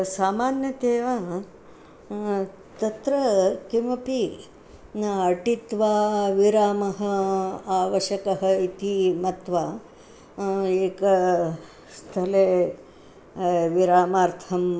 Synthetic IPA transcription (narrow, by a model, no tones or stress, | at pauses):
saːmaːnjɐt̪eːa | t̪ɐt̪ɾɐkimɐpi | nɐʈit̪ʋaːʋiɾaːmɐɦɐaːʋɐʃɐkɐɦɐit̪imɐt̪ʋa | eːkɐ | st̪ʰɐle | ʋiɾaːmaːɾt̪ʰɐm